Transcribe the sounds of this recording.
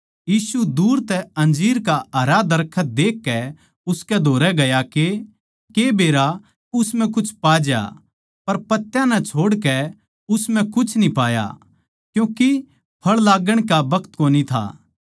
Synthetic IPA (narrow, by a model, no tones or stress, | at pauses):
jiːsud̪uːɾt̪ɛɐ̃nd͡ʒiːɾkaɐɾad̪ɐɾkʰːət̪̚d̪eːkːɛ | ʊskɛd̪ʱoːɾɛɡɐjake | kebeːɾa | ʊsmɛ̃kʊt͡ʃʰpaːd͡ʒja̰ | pɐɾpɐt̪ːjãnɛt͡ʃʰoːɽkɛ | ʊsmɛ̃kʊt͡ʃʰnipaːja̰ | kjũːki | pʰɐɭlaːɡəɽ̃kabɐkʰt̪koːnit̪ʰa̰ː